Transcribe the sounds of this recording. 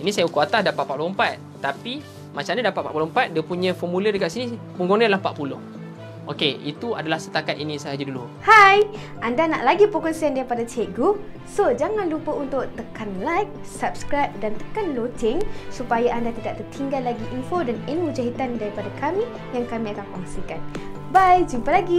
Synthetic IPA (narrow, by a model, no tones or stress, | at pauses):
inĩsajaukuat̪asdapaʔ̪̚pat̪̚lompat̪̚ | t̪api | mat͡ʃamɲadapat̪̚pa̰t̪ʔ̚pulompat̪̚diapuɲãfɔmulədəkaʔsinipuŋɡoŋdialahpa̰ʔ̪̚pulʊ̰h | ʔokeḭt̪ua̰dalahsə̥t̪akat̪inĩsajad͡ʒadulu | haj | ʔandana̰ʔlaɡipɔkɔnsɛndaɾipadat͡ʃeʔ̚ɡu | sod͡ʒaŋandupəunt̪ʊʔ̚t̪əkʰanlajk̚ | sap̚skɾajp̚dant̪ə̥kanlot̪ɪŋsupajaʔandat̪idaʔ̚t̪ərt̪ʰiŋɡalːaɡiʔinfodaninud͡ʒaɦit̪andaɾipadakami | jaŋkamĩakankɔŋsikan | bajd͡ʒumpəlaɡi